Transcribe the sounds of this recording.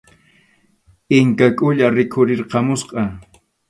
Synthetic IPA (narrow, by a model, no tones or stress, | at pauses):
ɪŋkakʼʊʎaɾɪkʰʊɾɪɾqɑmʊsqʼɑ